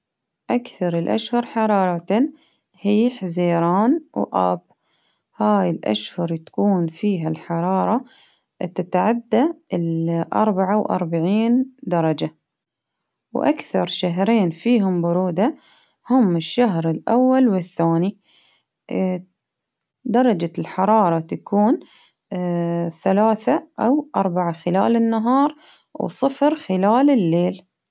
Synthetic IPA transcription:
ʔakθɑɾˤɪlʔa̰ʃhʊɾˤħɑɾˤɑːɾˤɑt̪a | hiːħaziːɾɑːnwʔa̰ːb | haːjɪlʔa̰ʃhʊɾˤt̪ḁkuːnfiːɦalħɑɾˤɑːɾˤɑ | t̪ɪt̪ʕad̪ːalʔɑ̰ɾˤbaʕawʔɑ̰ɾˤbaʕiːnd̪ɑɾˤɑd͡ʒa | wʔakθɑɾˤʃaɦɾeːnfiːɦʊmbʊɾuːd̪a | hʊmːɪʃːaɦɾɪlʔawːalwɪθːaːni | d̪ɑɾˤɑd͡ʒalħɑɾˤɑːɾˤɑt̪akuːn | θalaːθaʔawʔɑɾˤbaʕaxɪla̰ːlɪnːaɦɑːɾˤ | wsˤɨfɾxɪlaːlɪlːeːl

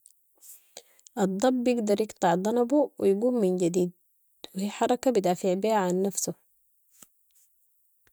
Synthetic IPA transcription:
ʔɑd̪ˤːɑbːjɪɡd̪ɑɾˤjɪɡt̪ˤɑʕd̪ˤɑnɑbuwijɡuːmːinɟad̪iːd̪̚ | wɪhiːħɑɾˤɑkabid̪aːfiʕbiːhaʕanːafsu

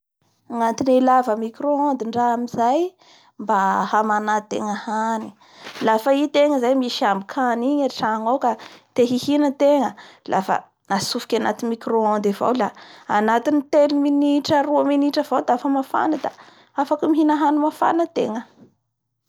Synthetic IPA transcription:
ŋant̪inilavəmikɾoand̪iɳɖ͡ʐaamizaj | mbahamanat̪ḛŋahani̥ | lafəit̪eŋəzajmiʃambikʰaniɲeɾiʈ͡ʂaŋawkat̪eɦihinət̪eŋəlʔa̰fə̰ | nasufi̥kʲana̰t̪inmikɾoand̪ava̰wlaanat̪init̪eliminiʈ͡ʂəɾuəminiʈ͡ʂəv̥awd̪aafəmafa̰nəd̪a̰ | afakumiɦinaɦanimafa̰nət̪ḛŋə

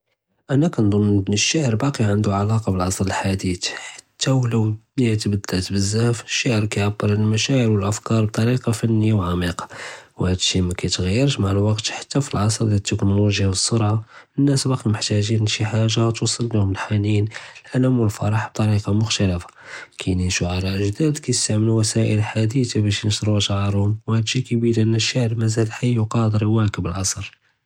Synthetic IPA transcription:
ʔænækænd̪ˤʊnːbnəʃːaʕɾbɑqiʕənd̪uʕalɑqɑbəlʕɑsˤɾəlħad̪it̪ħḁt̪ːæwləwt̪bəd̪ːælt̪bəzːæhfəʃːaʕəɾkæjʕabːəɾˤlmæʃaʕəɾwəlʔəfkɑɾˤb̚t̪ˤɑɾiqɑfənːəjːawʕamiqɑ̥whæd̪əʃimækæjt̪ɣæjːəɾʃmaʕəlwɑqt̪ħḁt̪ːæfilʕɑsˤɾˤd̪æt̪ːəknoloʒjawəsˤːʊɾʕaənːæsbɑqiməħt̪æʒinnʃiħaʒːat̪usˤəlːihʊməlħaninəlʔæləmwəlfɑ̰ɾˤɑħb̥̚t̪ˤɑɾiqɑmʊxt̪ælæfḁkʰæjnənʃuʕalæʔəʒd̪æd̪kæjəst̪aʕməluwæsæʔəlħad̪it̪abæʃnəʃɾˤuʒʕɑɾhʊmwhæd̪ʃikæbiɾʔənːəʃːaʕɾmæzælħajːuqɑd̪əɾiwækəbəlʕɑsˤɾ

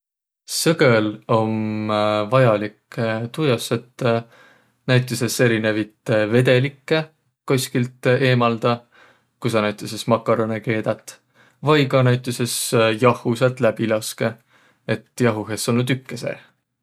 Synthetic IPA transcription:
sɤɡelo̞m | vɑjɑlikt̪ujɑset̪ː | næjt̪ʲːˑise̞se̞ɾine̞vit̪ve̞d̪̥e̞likːe | kosʲkilt̪e̞ːmɑld̪̥ɑ | kusɑnæjt̪ːˑesesmɑkːˑɑɾoneke̞ːd̪̥ɑt̪ːˑ | vɑjkɑnæjt̪ːˑese̞sjɑhˑusɑt̪ˑlæb̥ilɑske̞ | et̪ːˑjɑɦuɦesolnːut̪ykːesḛ

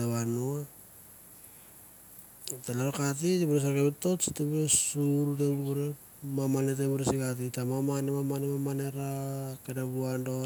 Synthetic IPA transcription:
aβanoa | talaɾokatitibuɾes̬aɾkeβeto̞t͡ʃtebuɾesuɾut̬ebuɾe | mamanet̬eβuɾesikat̬itamamanemamanemamane̞ɾakenabuando̞

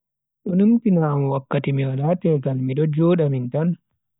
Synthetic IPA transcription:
ɗɔnumtinaːmwakːatimiwalatɛltanmiɗɔd͡ʒɔːɗamintan

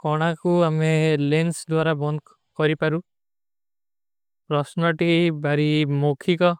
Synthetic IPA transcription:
kɔɽ̃akuamelensd̪waɾabɔn | kɔɾipaɾu | pɾɔsnɔʈibaɾimokʰikɔ

